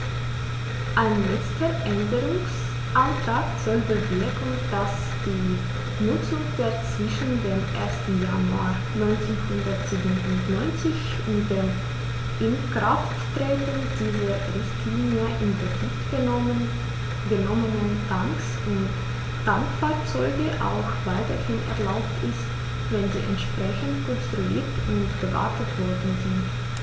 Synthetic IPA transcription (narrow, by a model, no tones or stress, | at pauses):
ʔaɪnlɛt͡stɐʔɛndəʁʊŋs | ʔantʁ̥aːkz̥ɔlbəvɪɐkn̩d̥as | d̥iː | nʊt͡sʊŋd̥eːɐt͡sv̥ɪʃn̩deːmʔeːɐstn̩janua̰ɐ | nɔʏnt͡sənhʊndɐtz̥iːbntʊnɔʏnt͡sɪç | ʔʊmdeː | ʔɪnɡʁafttʁeːtnd̥iːzəʁɛstʰiːnəʔɪnɡəfiktɡ̥ə | ɡənɔmənəndaŋks | ʊnt | d̥aŋkfaɐt͡sɔʏɡəʔa̰ʊxv̥aɪtɐhɪnɛ̰ɐlaʊptɪst | vɛnzḭːʔɛntʃpʁ̥ɛçn̩tkʰɔnstʁ̥ulḭːɐtʰʊntb̥əva̰ɐtətv̥ɔɐdn̩zɪnt